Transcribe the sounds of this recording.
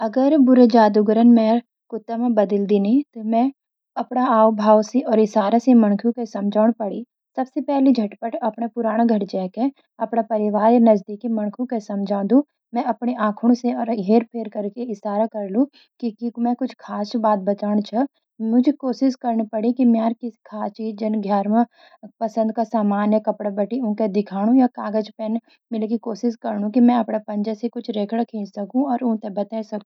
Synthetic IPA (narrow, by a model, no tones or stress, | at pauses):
ɐɡəɾbʊɾed͡ʒaːd̪uɡəɾənmɛ̃ | kʊt̪ːamẽbɐd̪əld̪ɪnit̪omɛ̃ | ɐpɽaaːwbʱaːwseʔɔːɾɪsaːɾaseməɳkʰjũkesɐmd͡ʒaːɽ̃pəɽi | sɐbsepɛːlid͡ʒʱɐʈpəʈɐpnapʊɾaːɽ̃aɡʱɐʈd͡ʒɛːke | ɐpɽapɐɾɪʋaːɾenɐzd̪iːkːimɐñkʰũkesɐmd͡ʒʱãːnd̪ũ | mɛ̃ɐpɽeʔãːkʰʊɽ̃seɔːɾɦeːɾpʰeːɾkəɾkeɪsaːɾakɐɾlũ | kikimɛ̃kʊt͡ʃʰkʰaːsbaːt̪̚bɐt͡ʃaːɽ̃t͡ʃʰɐ | mʊd͡ʒʱekoːʃɪskɐɾɳpɐɽikimaːɾkikʰaːst͡ʃiːd͡ʒd͡ʒɐnɡʱjaːɾmə | pɐsə̃nd̪̚kasaːmaːnjəkɐpɽabɐʈiʊ̃ked̪ɪkʰaːɽ̃ũjakaːɡəd͡ʒpɛːn | mɪlekikoːʃɪskɐɾɳũkimɛ̃ɐpɽapɐ̃nd͡ʒəsekʊt͡ʃʰɾeːkʰɽakʰĩːnsɐkũɔːɾʊ̃ɦt̪ebɐt̪aːisɐk̪̚ː